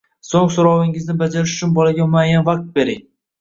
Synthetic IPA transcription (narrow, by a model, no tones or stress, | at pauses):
soŋsoɾɒwɪŋɪznɪbad͡ʒaɾɪʃʊ̥t͡ʃʰʊnbɒlaɡʲamʊajanvaq̚t̪̚be̞ɾɪŋ